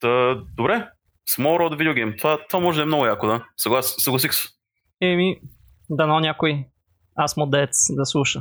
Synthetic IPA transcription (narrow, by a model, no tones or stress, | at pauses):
əd̪obɾɛ | smɔɾɔd̪vid̪joɡʲɛjmt̪ovat̪ovamɔʒɛd̪ɐɛmnɔɡʊjakod̪asɐɡlˠassəɡlˠɐsixsə̥ | ɛmi | d̪ɐnɔnʲakoj | asmod̪ɛt̪sd̪ɐslˠuʃə